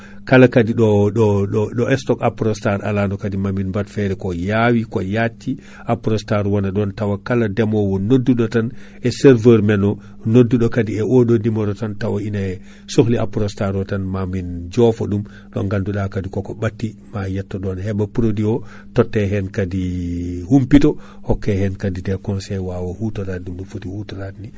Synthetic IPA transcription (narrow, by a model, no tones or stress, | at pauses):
kalakadiɗɔɔɗɔʔɛstɔkapɾɔstaɾa̰lanɔkadimaminbatfɛɾɛkɔjawikɔjatːi | apɾɔstaɾwanaɗɔntawakaladɛmɔwɔnodːuɗɔtan | ɛsɛɾvəɾmɛnɔ | nodːuɗɔkadiɛʔoɗɔndimɔɾɔtantawainaɛ | soxlia̰pɾɔstaɾɔtanmamind͡ʒɔfɔ̰ɗum | ɗɔ̰ŋɡanduɗakadikɔkɔbatːimajɛtːɔɗɔnhɛbapɾodiɔ | tɔtːɛɦɛnkadihumpitɔhɔkːɛhɛnkadidɛkɔnsɛjwawahutaɾat̚dumɗɔfotihutaɾatni